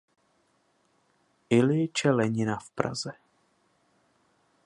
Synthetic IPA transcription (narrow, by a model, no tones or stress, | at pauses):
ʔɪlɪt͡ʃɛlɛɲɪnafpɾa̰zɛ